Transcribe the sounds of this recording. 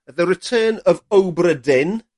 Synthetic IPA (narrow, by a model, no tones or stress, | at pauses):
ðəɾɪtʰɜːnəvowbrədɪn